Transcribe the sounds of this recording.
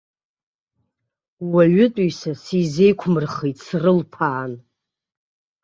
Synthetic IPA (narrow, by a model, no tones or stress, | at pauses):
waɥʊtʷʼujsasizejkʷʰmɨrχijtʼsrɨlpʰaːn